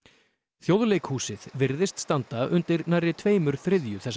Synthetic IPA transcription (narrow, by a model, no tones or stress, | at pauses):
θjowðlejkhuːsɪðvɪɾðɪst̪st̪ant̪aʔʏnt̪ɪɾnarːɪt̪ʰveːjmʏɾ̥θɾɪðjʏθɛs